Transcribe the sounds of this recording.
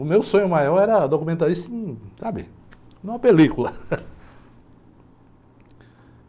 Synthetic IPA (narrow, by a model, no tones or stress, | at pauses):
ʊmewsõɲʊmajɔɾɛɾɐd̪okumẽnt̪aɾist̪ɐĩsabɪ̰ | ũɐpelikulɐ